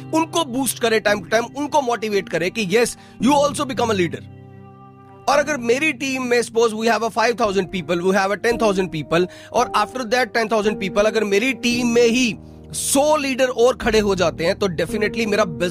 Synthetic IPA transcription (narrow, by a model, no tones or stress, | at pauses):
ʊnkobuːsʈkɐɾẽʈãːɪ̃mʈʊʈãɪmʊnkomɔːʈiʋeːʈkɐɾẽkijɛs | juːɔːlsobɪkɐ̃məliːɖəɾ | ɔːɾɐɡəɾmeːɾiʈĩːmːẽɪspoːzʋiːɦɛʋəfaɪʋt̪ʰaʊzə̃ɳɖ̚piːpəlʋiːɦɛʋəʈɛ̃nt̪ʰaʊzə̃ɳɖ̚piːpəl | ʔɔːɾaːfʈəɾd̪eɾʈɛ̃nt̪ʰaʊzə̃ɳɖ̚piːpəlɐɡəɾmeːɾiʈĩːmːẽɦi | sɔːliːɖəɾɔːɾkʰɐɽeɦod͡ʒaːt̪eɦɛ̃t̪oɖɛfɪnəʈlimeːɾabɪ